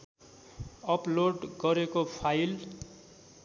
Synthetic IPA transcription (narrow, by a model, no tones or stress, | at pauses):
ʌploɖɡʌɾekopʰajl